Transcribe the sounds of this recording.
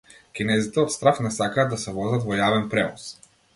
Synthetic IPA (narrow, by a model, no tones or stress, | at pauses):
kʲinɛzit̪ɛɔt̪st̪ɾafnɛsakaːd̪ːasɛvɔzat̪vɔjavɛnpɾɛvɔs